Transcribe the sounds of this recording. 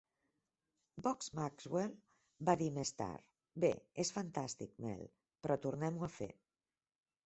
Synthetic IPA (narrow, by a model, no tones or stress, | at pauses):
bɔkzmakzwel | baðimest̪a̰ɾ | bḛesfant̪ast̪ik̚mɛ̰l | pɾɔt̪uɾnɛmuafḛ